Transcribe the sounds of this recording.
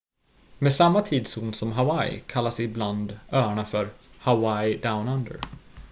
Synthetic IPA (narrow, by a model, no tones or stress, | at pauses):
meːsamːat̪ʰiːd̪suːnsɔmɦawajkʰalːasɪbland̪œːaɳafœɾhawaɪd̪aʊnand̪ə̰ɾ